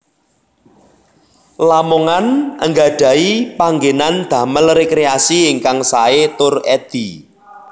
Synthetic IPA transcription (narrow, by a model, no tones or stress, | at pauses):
lamoŋanʔə̰ŋɡaɖ̥ä̤ipaŋɡenand̪̥ä̤məlrekɾeasiːŋkaŋsaet̪ʊrɛd̪̥i̤